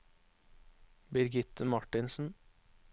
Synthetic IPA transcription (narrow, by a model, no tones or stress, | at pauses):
bɪɾɡɪt̪ːəmɑʈɪnsn̩